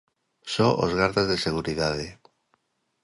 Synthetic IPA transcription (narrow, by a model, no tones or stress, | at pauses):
soʔo̰zɣaɾðezðeseɣ̞uɾiðaðe